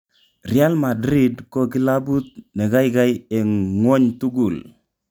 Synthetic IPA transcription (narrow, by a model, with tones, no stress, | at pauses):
rɪ˨a˦lma˨dɾi˦dkɔ˦ki˦la˦bu˦t̪̚ne˨ɡa˦jɡa˦je˨ŋwɔ˦ɲtu˦ɡu˨l